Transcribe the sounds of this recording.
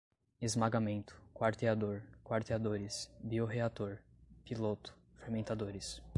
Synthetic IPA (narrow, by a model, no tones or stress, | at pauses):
ezmaɡamẽnt̪ʊ̥kwaɾt̪ead̪oɾkwaɾt̪ead̪oɾɪsbioɦeat̪oɾ | pilot̪ʊ̥ | feɾmẽnt̪ad̪oɾɪs